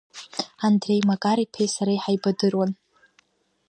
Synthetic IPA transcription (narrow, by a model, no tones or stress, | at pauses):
andre̞jmakʼaɾipʰejsaɾaiħajbadɨrwan